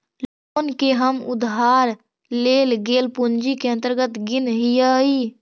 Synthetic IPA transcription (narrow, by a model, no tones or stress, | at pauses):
l | oːnkeɦəmʊd̪ɦaːɾ | leːlɡeːlpʊnd͡ʒikeə̃nt̪əɾɡət̪ɡɪnɦijai